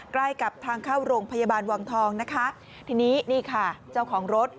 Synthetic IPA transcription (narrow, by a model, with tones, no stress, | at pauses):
kla˥˩jka˨˩p̚t̪ʰaː˧ŋkʰaː˥˩wɾoː˧ŋpʰa˧jaː˧baː˧nwaː˧ŋt̪ʰɔː˧ŋna˦˥kʰa˦˥ | t̪ʰiː˧niː˦˥niː˥˩kʰa˥˩t͡ɕaː˥˩wkʰɔː˩˦ŋɾo˦˥t̪̚